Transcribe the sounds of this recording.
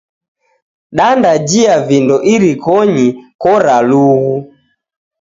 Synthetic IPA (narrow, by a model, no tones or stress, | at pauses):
ɗandad͡ʒiavindɔʔiɾikɔɲikɔɾaluɣu